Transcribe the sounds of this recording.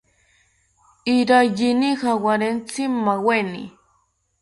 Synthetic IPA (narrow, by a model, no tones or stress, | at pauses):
iɾajinixawaɾent͡simːawenḭ